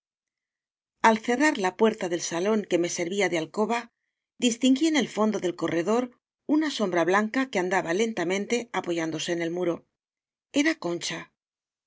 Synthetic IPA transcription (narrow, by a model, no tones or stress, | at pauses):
alθe̞raɾlapwe̞ɾt̪aðe̞lsalo̞ŋke̞me̞se̞ɾβiaðealko̞βa | d̪ist̪iŋɡiene̞lfo̞nd̪o̞ðe̞lko̞re̞ðo̞ɾ | unaso̞mbɾaβlaŋkakeand̪aβale̞nt̪amẽ̞nt̪e̞apo̞ʝand̪o̞se̞ːne̞lmuɾo̞ | e̞ɾako̞nt͡ʃa